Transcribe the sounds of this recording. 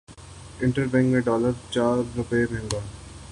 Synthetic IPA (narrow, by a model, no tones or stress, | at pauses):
ɪ̃ɳʈəɾbẽŋɡmẽɖɔːləɾt͡ʃaːɾːʊpemɛ̃ːŋɡaː